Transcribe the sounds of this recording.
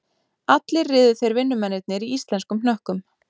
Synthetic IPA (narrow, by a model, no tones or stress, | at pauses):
at̪lɪrrɪːðʏθejɾvɪnːʏmɛnːɪt̪̚nɪɾiist̪lɛnskʏmnœhkʏm